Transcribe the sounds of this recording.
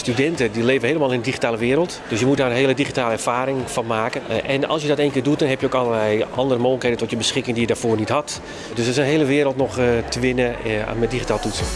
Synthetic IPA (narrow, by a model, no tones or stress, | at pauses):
stydɛntədileːvənɦejləmaːlˠɪnədiχitaːləʋɪəɾəlˠtd̥øsjəmut̚daːrənɦeəlˠədixitaːlˠəɛɹfaːɾɪŋfɔnmaːkəʔɛnɑ̰lˠsjədɔteːnkɪːdut̚dɔnɦɛpjəoːkɑləlɛjʔɑndərəmoːxləkhejdəntɔtjəbəsxɪkɪŋdijədaːfoːɹnithɑt | døsɪsənɦeːləʋɪːəɾəlˠtnɔxtəʋɪnə̰mɛdixitaːlˠtutsə